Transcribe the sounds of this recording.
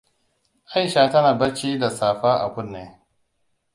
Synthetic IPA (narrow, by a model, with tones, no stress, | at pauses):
ʔa˦jʃaː˨tɐ˦naː˨bɐ˦ɾt͡ʃiː˦da˨saː˨ɸaː˦ʔa̰˨kʷʊ˦nːeː˨